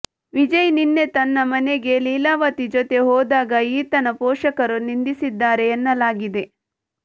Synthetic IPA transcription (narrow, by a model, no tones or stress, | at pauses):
ʋid͡ʒɐjninːe̞t̪ɐnːɐmɐneɡe̞liːlaːʋɐt̪id͡ʒot̪e̞ɦɔːd̪aːɡɐiːt̪ɐnɐpɔːʂɐkɐɾunind̪isid̪ːaːɾe̞ːnːɐlaːɡid̪e̞